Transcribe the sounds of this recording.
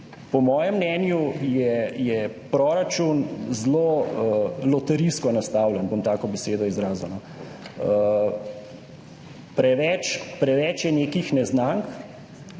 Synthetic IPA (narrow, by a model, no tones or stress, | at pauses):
pɔmɔːjɛmːnɛːnjujɛjɛpɾoːɾat͡ʃunzlo | lɔt̪ɛɾiskɔnast̪aːwlɛnbomt̪aːkɔbɛseːd̪ɔizɾaːzuwnɔ | pɾɛʋɛt͡ʃpɾɛʋɛt͡ʃjɛneːkixnɛznaŋk